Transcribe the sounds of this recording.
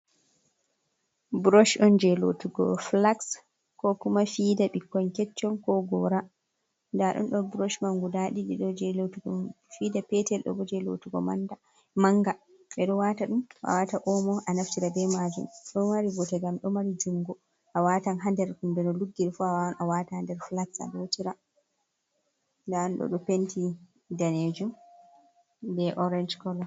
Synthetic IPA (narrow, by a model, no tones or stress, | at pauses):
bɾɔʃɗɔnd͡ʒɛlo̰tuɡɔ̰flaks | kɔkumafidaɓikːɔnkɛt͡ʃːɔnkɔɡɔɾa | ndaɗɔ̰nɗɔbɾɔʃmaŋɡudaɗiɗiɗɔd͡ʒɛlotuɡɔ | fidapɛtɛlɗɔ̰bɔd͡ʒɛlotuɡɔmanda | maŋɡa | ɓɛɗɔwataɗumʔa̰wataʔɔmɔʔanaftiɾabɛmad͡ʒṵmɗɔmaɾibɔtɛɡamɗɔmaɾid͡ʒuŋɡɔ | ʔawatanɦandɛɾkumbɛnɔluɡːiɾfuawaɔnʔawatahandɛɾflatsa̰lotiɾa | ndanɗɔ̰ɗɔpenti | daned͡ʒum | bɛʔɔɾɛnd͡ʒkɔlɔ